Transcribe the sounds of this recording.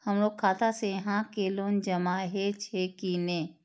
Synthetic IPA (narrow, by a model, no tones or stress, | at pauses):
həmloːɡ̚kʰaːt̪asejəɦãkeːloːnd͡ʒɐmaɦet͡ʃʰekine